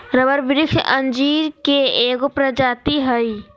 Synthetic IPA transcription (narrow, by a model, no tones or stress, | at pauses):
ɾəbəɾʋɪɾɪkʃʔə̃nd͡ʒiːɾkeeːkopɾəd͡ʒaːt̪iɦəi